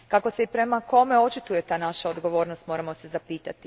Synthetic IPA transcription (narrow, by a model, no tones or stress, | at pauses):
kako̞se̞ipɾe̞mako̞me̞o̞t͡ʃit̪uje̞t̪aːnaʃaod̪ɡo̞ʋo̞ːɾnost̪mo̞ɾamo̞se̞zapiːt̪at̪i